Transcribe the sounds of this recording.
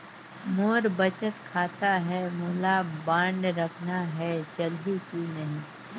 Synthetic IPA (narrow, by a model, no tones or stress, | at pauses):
moːɾbɐt͡ʃət̪kʰaːt̪aɦɛmʊɦlabãːɳɖɾɐkʰnaɦɛt͡ʃɐlɦikinɐɦĩː